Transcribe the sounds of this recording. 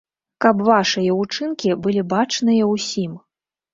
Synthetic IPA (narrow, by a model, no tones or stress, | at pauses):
kɐpvaʂɨjɐut͡ʂɨnkʲibɨlʲibat͡ʂnɨjɐwsʲim